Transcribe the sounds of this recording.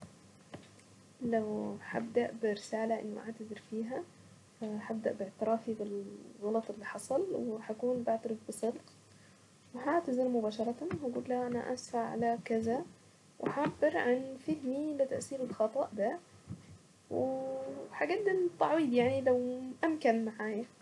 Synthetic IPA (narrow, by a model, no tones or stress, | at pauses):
lawħa̰bd̪aʔbɪɾɪsaːlaʔɪ̰nːʊʔa̰ʕt̪azɪɾfiːɦa | ħab̚d̪aʔbɪʕt̪ɪɾˤɑːfibɪlɣɑlɑt̪ˤɪlːiːħɑsˤɑlwɪħakuːnbaʕt̪aɾɪfbɨsˤɨlq | wɪɦaʕt̪azɪɾmʊbaːʃɑɾˤɑt̪anhaɡuːlːaʔana̰ʔa̰sfaʕʕa̰lakɪza | wʔɪħabːɪɾʕanfɪhmilɪt̪aʔsiːɾɪlxɑt̪ˤɑʔd̪a | wɪħaɡad̪̚d̪nt̪ˤːɑʕwiːd̪jaʕnilawʔamkanmaʕaːja